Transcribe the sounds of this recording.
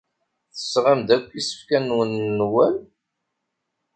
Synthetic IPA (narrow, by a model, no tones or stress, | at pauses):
θə̥sːʁamd̪ækʷːisə̥fkænwənːwæl